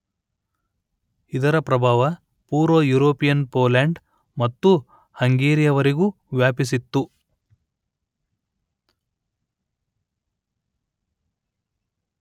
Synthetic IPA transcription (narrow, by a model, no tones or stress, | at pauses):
id̪ɐɾɐpɾɐbʱaːʋɐ | puːɾojuːɾoːpijɐnpoːlaːɳɖ | mɐt̪ːu | hɐŋɡeːɾijɐʋɐɾiɡuː | ʋjaːpis̬it̪ːu